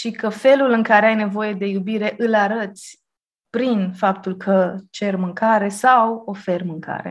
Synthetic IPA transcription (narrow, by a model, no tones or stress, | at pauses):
ʃikəfe̞lulɨŋkaɾeajne̞vo̞je̞d̪e̞jubiɾe̞ʔɨlaɾət̪sʲ | pɾinfapt̪ulkʰət͡ʃe̞rmɨŋkaɾe̞sawo̞fe̞rmɨŋkʰa̰ɾe̞̰